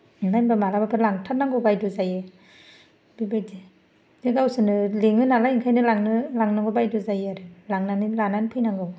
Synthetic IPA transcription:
najnbamalabapʰɯlaŋtʰat̚naŋɡɯbajduzajɯ | b̥ibajdi | dɯɡawsɯnɯleŋɯnalajiŋkʰajnɯlaŋnɯlaŋnaŋɡɔbajduzajɯɾɯlaŋnanilananpʰɯjnaŋɡɯw

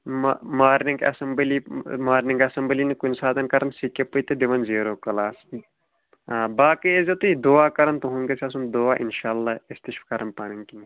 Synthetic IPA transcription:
mmaːɾniŋɡɐ̰sɐmbəliːmaːɾnĩŋɡɐsɐmblinikunsaːt̪ɐnkɐɾʔɐnsikʲːepɨt̪ed̪iʋɐnziːɾoːkɐlaːs | aːbaːkiezʲɐt̪uid̪oːaːkɐɾɐnt̪uɦuŋɡɐsʰʲɐsund̪oːaːʔḭnʃaːɐlːaːist̪iʃfkɐɾɐnpaːniŋkini

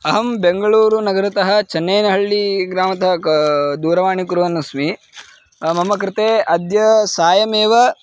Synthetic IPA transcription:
ɐɦɐmbeŋɡɐɭuːɾunɐɡɐɾɐt̪ɐɦɐt͡ʃɐnːɐjnɐɦɐɭːiɡɾaːmɐt̪ɐɦɐd̪uːɾɐʋaːɳikuɾuʋɐnːɐsmi | mɐmːɐkɾɪt̪eːɐd̪jɐsaːjɐmeːʋɐ

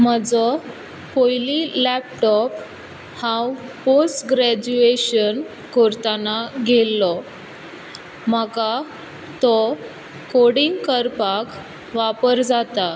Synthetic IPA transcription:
m̤əd͡zɔ | pojlilæp̚ʈɔp | hãwposʈɡɾæd͡ʑueɕən | koɾt̪anaɡʱelːɔ | m̤əɡa | t̪ɔ | koɽiŋɡkəɾpak | ʋapəɾd͡zat̪a

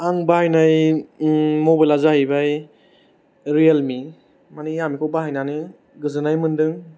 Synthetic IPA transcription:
aŋbahajnaj | mobajlazahibaj | ɾijelmi | manijamikʰobaɦajnanɯ | ɡɯzɯnajmɯndɯŋ

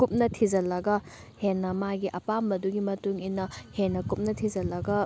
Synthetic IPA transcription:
kup̚nɐtʰid͡ʒɐlɐɡɐ | henːɐmaɡiʔɐpambɐduɡimɐtuŋinːɐhenːɐkup̚nɐtʰid͡ʒɐlɐɡɐ

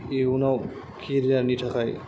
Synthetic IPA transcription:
iunaw | kʰiɾaɾniʈʰakʰaj

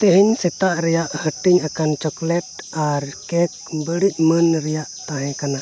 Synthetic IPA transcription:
t̪ɛɦɛɲsɛt̪aʔɾɛjaʔhəʈiɲakant͡ʃɔklɛʈaɾkɛk̚ | bəɽic̚ˀmənɾɛjaʔt̪aɦɛ̃kana

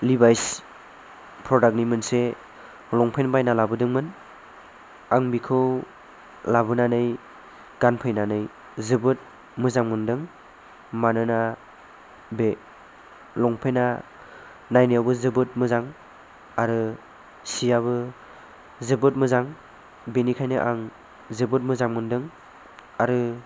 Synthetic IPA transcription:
libajs | pʰɾɔdak̚nimɯnse | lɔŋpʰenbajnalabɯdɯŋmɯn | aŋbikʰɯw | labɯnanɯj | ɡ̥anpʰɯjnanɯj | zɯbɯt̚ | mɯzaŋmɯndɯŋ | manɯna | be | lɔŋpʰejna | najnijawbɯzɯbɯt̚mɯzaŋ | aɾɯ | sijaβɯ | zɯbɯt̚mɯzaŋ | benikʰajnɯʔaŋ | zɯbɯt̚mɯzaŋmɯndɯŋ | aɾɯ

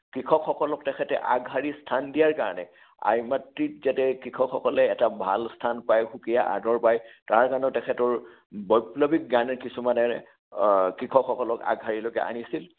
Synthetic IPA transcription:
kɹikʰɔkxɔkɔlɔk̚tɛkʰɛtɛ̰ʔaɡɦaɹistʰandijaɹkaɹɔnɛ̰ | a̰jmatɹitzatɛkɹikʰɔkxɔkɔlɛːtabʱa̰lstʰanpajxukijaʔa̰dɔɹpajtaɹkanɔtɛkʰɛtɔɹ | bɔjplɔbik̚ɡanɛɹkisumanɛ | kɹikʰɔkxɔkɔlɔka̰ɡɦaɹilokɛ̰ʔa̰nisil

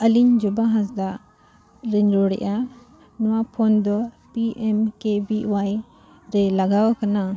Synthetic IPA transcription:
əliɲd͡ʒɔbaɦãsd̪aʔ | ɾɛɲɾɔɽɛ̰ʔa | nɔwapʰɔnd̪ɔ | piʔɛmkebiwaj | ɾɛlaɡawkana

